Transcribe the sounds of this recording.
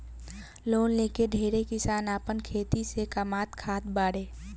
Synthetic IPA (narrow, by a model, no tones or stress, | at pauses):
loːnleːkeɖʱeːɾekɪsaːnaːpənkʰeːt̪isekəmaːt̪kʰaːt̪baːɽeː